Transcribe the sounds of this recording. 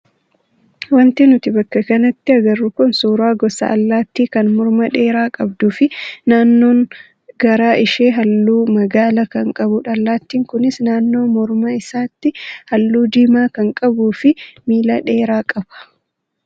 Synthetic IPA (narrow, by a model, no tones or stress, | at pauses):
wɐnt̪ɪnʊt̪ɪbɐkːɐkɐnɐt̪ːɪɐɡɐrːʊkʊnsuːɾaːɡɔsɐ̰ʔɐ̰lːaːt̪ːiːkɐnmɔɾmɐᶑe̞ːɾaːkʼɐbd̪ʊfɪnaːnːo̞ːŋ | ɡɐɾaːʔɪʃeːɦɐlːuːmɐɡaːlɐkɐŋkʼɐbʊᶑɐlːaːt̪ːiːŋkʊnɪsnaːnːo̞ːmɔɾmɐɪsaːt̪ːɪhɐlːuːd͡ʒimaːkɐŋkʼɐbuːfɪmiːlɐᶑe̞ːɾaːkʼɐb̥ɐ̥